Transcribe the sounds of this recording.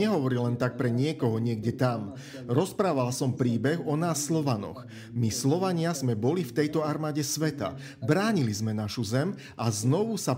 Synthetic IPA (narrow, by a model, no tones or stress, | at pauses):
ɛɦɔʋɔɾilɛnt̪ak̚pɾɛɲɪɛkɔɦɔɲɪɛɡ̚ɟɛt̪am | ɾɔspɾaːʋalsɔmpɾiːbɛɣɔnaːsːlɔʋanɔ̰x | mislɔʋaɲɪazmɛbɔlift̪ɛjt̪ɔaɾmaːɟɛsʋɛt̪a̰ | bɾaːɲilizmɛnaʃuzɛm | ʔaznɔʋusa